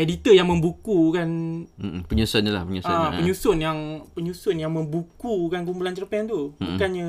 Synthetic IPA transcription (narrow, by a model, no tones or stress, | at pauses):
edit̪əjaŋmə̃mbukukan̩ | pəɲusʊɲəla̰hpəɲusapəɲusʊnjaŋpəɲusʊnjaŋmə̃mbukukanɡumbulant͡ʃərpɛnt̪ubukanɲa